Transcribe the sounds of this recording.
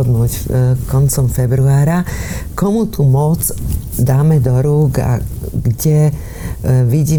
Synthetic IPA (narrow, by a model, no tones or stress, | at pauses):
ɔd̪nuːckɔnt͡sɔmfɛbɾuaːɾakɔmut̪umɔd͡zd̪aːmɛd̪ɔɾuːɡa̰ɡɟɛ | ʋiɟiː